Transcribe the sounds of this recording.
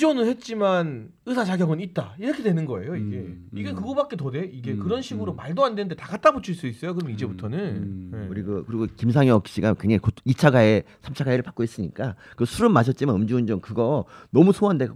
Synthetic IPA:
d͡ʑiunɯɭhe̞t̚t͡ɕ͈iman | ɯsʰat͡ɕaɡjʌɡɯnit̚t͈aiɾʌkʰe̞dwe̞nɯnɡʌe̞̰joiɡe̞iɡekɯɡʌbak̚k͈e̞tode̞ʔiɡe̞kɯɾʌnɕʰiɡɯɾomaɭdoandwe̞nɯnde̞taɡat̚t͈abot͡ɕʰuɭs͈uis͈ʌjokɯɾʌmid͡ʑe̞butʰʌnɯnjeuɾiɡɯkɯɾiɡokims̬ʰaŋjʌk̚ɕ͈iɡakeŋɲaikoit͡ɕʰaɡae | sʰamt͡ɕʰaɡaeɾɯɭpak͈ois͈ɯɲik͈akɯsʰuɾɯnmaɕʰʌt̚t͡ɕ͈imanɯmd͡ʑiund͡ʑomkɯɡʌnʌmusʰoɦande̞ɡa

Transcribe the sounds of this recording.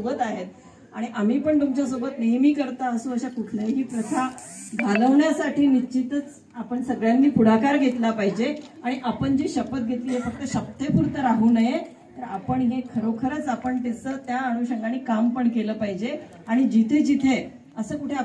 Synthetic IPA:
oɡət̪aɦet̪̚ | aɽ̃iʔam̤iːpəɳt̪umt͡ɕas̬oɡət̪nəjmiːkəɾt̪aəsũːəɕakuʈʰlajɦiːpɾət̪ʰaɡʱaləʋɳjasaʈʰiːnit͡ɕit̪ət͡s | apəɳsəɡɭjanːiːpuɽakaɾɡʱet̪lapaɦid͡ʑe | aɽ̃iʔapəɳd͡ʑiːɕəpət̪̚ɡʱet̪liːɦesək̚t̪əɕəb̚t̪epuɾt̪əɾaɦuːnaje | t̪əɾapəɳɦekʰəɾokʰəɾət͡sapəɳt̪et͡sət̪jaːɽ̃uɕəŋɡaɽ̃iːkampəɳkeləːpaɦid͡ʑe | aɽ̃id͡ʑit̪ʰed͡ʑit̪ʰe | əsəːkuʈʰea

